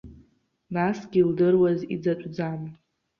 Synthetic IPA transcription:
nasɡʲildɨrwazḭd͡zat͡ʃʷʼd͡zan

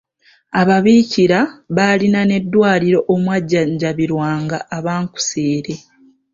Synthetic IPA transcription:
aβaβiːciɾaβalinane̞dːwaːliɾo̞ʔomwaɟːaɲɟaβiɾwaːŋɡaʔːβaːŋku̥seːɾe̞

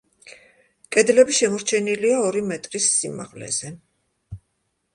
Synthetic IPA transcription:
kʼɛd̪lɛbiʃɛmɔɾt͡ʃʰɛniliaɔɾimɛt̪ʼɾisːima̰ʁlɛ̰z̥ɛ

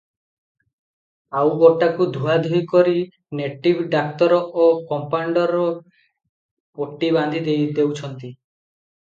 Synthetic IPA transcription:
awoʈːakud̪ʱuad̪ʱujkɔɾi | neʈibʱɖak̚t̪ɔɾɔʔokɔmpaɳɖɔɾɔ | poʈːiband̪ʱid̪ejd̪ewt͡ʃʰɔnt̪i

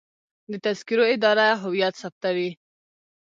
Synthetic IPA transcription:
d̪ət̪azkiɾoɪd̪ɑɾaɦʊwijat̪sap̚t̪awi

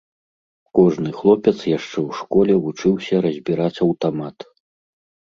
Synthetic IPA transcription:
kɔʐnɨxlˠɔpʲɛt̪sjaʂt͡ʂɛwʂkɔlʲɛvut͡ʂɨwsʲɐɾɐzʲbʲiɾat͡sʲɐwt̪amat̪

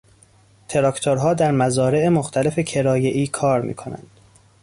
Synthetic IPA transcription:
t̪ʰe̞ɾɒːkt̪ʰoɾɦɒːd̪æɾmæzɒːɾe̞emoxt̪ʰæle̞fe̞cʰe̞ɾɒːje̞ʔiːkʰɒːɾmḭːkʰonæ̰nd̪̥

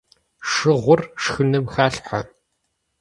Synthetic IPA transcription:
ʂɨʁʷʊrʂxɨnɐmxaːɬħʷa̰

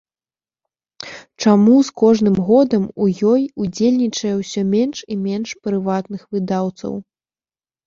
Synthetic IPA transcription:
t͡ʂamuskɔʐnɨmɣɔd̪ɐmujɔjud͡zʲelʲnʲit͡ʂɐjɛwsʲɔmʲɛnʂimʲɛnʂpɾɨvat̪nɨxvɨd̪awt̪sɐ̰w

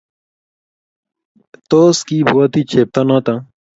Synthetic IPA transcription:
t̪oːskiːbʱuːat̪iːt͡ʃʰeːp̚t̪aːnãːt̪ã

